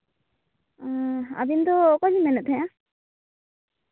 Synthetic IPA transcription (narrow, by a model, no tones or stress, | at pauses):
aa̰bind̪ɔːkɔd͡ʒimɛnɛt̪ʰɛjã